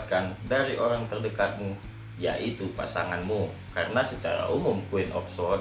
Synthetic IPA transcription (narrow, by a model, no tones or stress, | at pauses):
t̚kandaɾiʔoɾaŋt̪ərdəkat̪̚mu | ja̰ʔit̪upa̰saŋanmu | karənasət͡ʃa̰ɾa̰ʔumʊmkuɪnʔɔ̰p̚sɔ